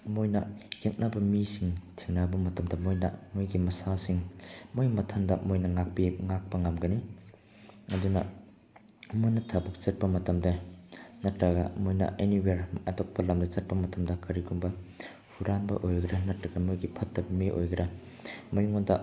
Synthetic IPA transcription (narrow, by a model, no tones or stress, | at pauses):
mojnɐjek̚nabɐmisiŋtʰiŋnabɐmɐtɐmdɐmojnɐ̰mojɡimɐsasiŋmojmɐtʰandɐmojnɐŋak̚piŋak̚pɐŋamɡɐni | ɐdunɐ̰ | mojnɐtʰabɐk̚t͡ʃɐt̚pɐmɐtɐmdɐnɐtɾɐɡɐmojnɐ̰ʔeniweɾɐtok̚pɐlɐmdɐt͡ʃɐt̚pɐmɐtɐmdɐkɐɾiɡuŋbɐ | huɾanbɐ̰ʔojɡɐɾɐnɐtɾɐɡɐmojɡipʰɐtːɐbimiʔo̰jɡɐɾɐ | mojŋondɐ